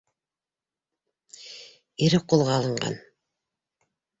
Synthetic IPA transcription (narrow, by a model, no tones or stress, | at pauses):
iɾɘqulˠʁɑːlˠɤ̆ɴɢɑ̰n